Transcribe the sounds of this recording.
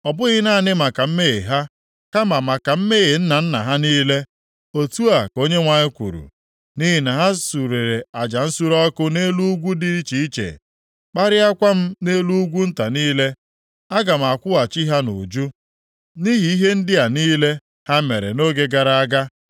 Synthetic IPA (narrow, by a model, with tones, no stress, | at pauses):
ɔ˨bʊ˦ɣɪ˦na˦˨nɪ˦ma˨ka˨m̩˦me˦ɣe˨ɦa˦ | ka˦ma˨ma˨ka˨m̩˦me˦ɣe˨n̩˦na˨n̩˦na˨ɦa˦niː˦le˦ | o˨tu˦a˨ko˦ɲe˦ŋʷa˨ɲɪ˦kʷṵ˨ɾṵ˨ | ni˦ɦi˨˦na˨ɦa˦su˨ɾe˨ɾe˨a˨d͡ʒa˨n̩˦su˦ɾɔ˦kʊ˦ne˦lu˦ɡʷu˦di˦ɾi˦t͡ʃi˨i˦t͡ʃḛ˨ | k͡pa˦ɾɪ˦a˦kʷa˦m̩˦ne˦lu˦ɡʷu˦n̩˦ta˨niː˦le˦ | a˦ɡa˨m̩˨a˨kʷʊ˦a˨t͡ʃɪ˦ɦa˦nṵ˨d͡ʒu˦ | ni˦ɦi˨i˦ɦe˦n̩˦dɪ˦a˨niː˦le˦ | ha˦me˨ɾḛ˨no˦ɡe˦ɡa˨ɾa˦a˦ɡa˦